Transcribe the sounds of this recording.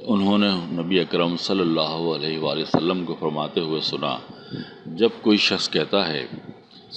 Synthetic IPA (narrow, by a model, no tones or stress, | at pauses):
ʊnɦõnenɐbiɐkɾəmsɐlːəlːaːɦoɐleːɦeʋaːleosɐlːəmkofɐɾmaːt̪eɦʊesʊna̰ | d͡ʒɐb̚koːiʃɐxskɛɦt̪aɦɛ̰ː